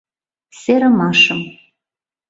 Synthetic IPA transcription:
seɾɐmaːʂɨm

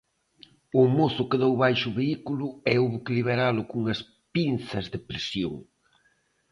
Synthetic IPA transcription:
ʊmoθʊkɪðowβajʃʊβeikulʊɛuβukliβeɾalʊkuŋɐs | pinθɐzðɪpɾesjo̰ŋ

